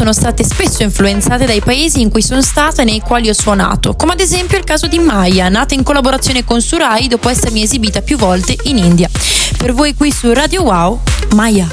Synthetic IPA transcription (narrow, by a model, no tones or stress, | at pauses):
oːnost̪aːt̪espesːoiɱfluent̪saːt̪ed̪ajpaeːziːŋkujsonst̪aːt̪anejkwaːliɔsːwona̰ːt̪okoːmead̪ezɛmpjoilkaːzod̪imajanaːt̪aiŋkolːaboɾat̪sːjoːnekonsuɾajd̪oːpoɛsːeɾmiezibiːt̪apjuvːɔlt̪eʔinind̪ja | pervoːjkwisurad̪jowawmaja